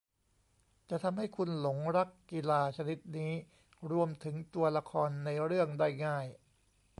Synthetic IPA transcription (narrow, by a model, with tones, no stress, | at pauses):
t͡ɕa˨˩t̪ʰa˧mɦa˥˩jkʰu˧nlo˩˦ŋɾa˦˥kːi˧laː˧t͡ɕʰa˧ni˦˥t̪̚niː˦˥ | ɾu˧əmt̪ʰɯ˩˦ŋt̪u˧ɐla˧kʰɔː˧nːa˧jɾɯ˥˩əŋdaː˥˩jŋaː˥˩j